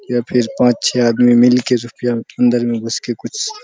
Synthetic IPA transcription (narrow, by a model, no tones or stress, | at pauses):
japʰɪɾpãːt͡ʃt͡ʃʰeaːd̪mimɪlkeɾʊpjaə̃nd̪əɾmẽbɐskekʊt͡ʃʰ